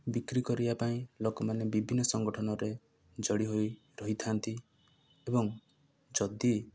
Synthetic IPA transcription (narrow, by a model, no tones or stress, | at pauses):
bikɾikɔɾibapaĩlokɔmanebibʱinːɔsɔŋɡɔʈʰɔnɔɾe | d͡ʒɔɽiɦoj | ɾɔɦit̪ʰant̪i | ebɔŋ | d͡ʒɔd̪i